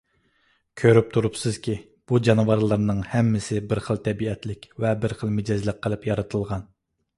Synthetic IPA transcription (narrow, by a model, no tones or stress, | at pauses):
kʲʰøɾyp̚t̪ʰuɾupsɨz̥kʲi | b̥ud͡ʒɑnɨvɑɾlˠəɾnɨŋhɛmːɪsɪbɪɾχəlˠt̪ʰɛbiɛt̪lɪkʲvɛbɪɾχəlˠmɪd͡ʒɛzlˠəq̚qʰːəlˠɨpjɑɾɨt̪ʰɨlˠʁɑn